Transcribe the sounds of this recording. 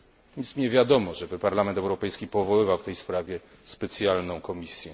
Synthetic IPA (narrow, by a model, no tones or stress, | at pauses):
ismɲɛvʲjad̪ɔmɔʐɛbɘpaɾlamɛnt̪ɛwɾɔpɛjskʲipɔvɔwɘvawft̪ɛjspɾavʲjɛ | spɛt̪sʲjalnɔ̃w̃kɔmʲisʲjɛ